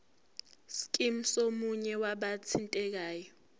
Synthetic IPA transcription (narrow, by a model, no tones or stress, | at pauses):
skʼim̩somuɲɛwaɓat͡sʰintʼɛk̬aːjɔ